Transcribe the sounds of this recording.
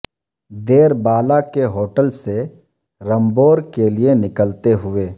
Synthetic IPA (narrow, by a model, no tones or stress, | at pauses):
d̪eːɾbaːlakeɦoːʈəlse | ɾɐ̃mboːɾkelienɪkəlt̪eɦʊeː